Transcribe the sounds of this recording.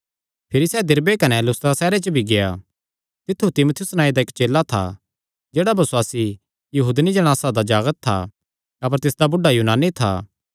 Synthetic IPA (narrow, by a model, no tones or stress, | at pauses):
pʰɪɾisɛːd̪ɪɾbekɐnɛlʊst̪ɾasɛːɾet͡ʃəbʱiɡeja | t̪ɪt̪ʰːut̪ɪmʊt̪ʰɪjʊsnaːĩd̪aɪkt͡ʃeːlat̪ʰa̰ | d͡ʒeːɽabʱɐswaːsi | jɐɦuːd̪nid͡ʒɐɽ̃aːsad̪ad͡ʒaːɡət̪̚ʰːa̰ | ɐpəɾt̪ɪsd̪abʊɖajuːnaːnit̪ʰa̰ː